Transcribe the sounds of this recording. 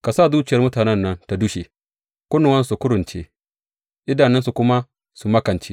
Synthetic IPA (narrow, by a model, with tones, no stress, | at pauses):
ka˨saː˦˨duː˦t͡ʃɪ˨jɐ˦rmʊ˦taː˨nɛ˦nːɐ˦nta˨dʊ˦ʃe˨ | kʷʊ˦nʊ˨wɐ˦n˦su˨kʊ˦ɽʊ˨nt͡ʃḛ˦ | ʔɪ˦da˨nɛ˦nsu˨kʷʊ˦ma˦ | su˨mɐ˦kɐ˨nt͡ʃe˦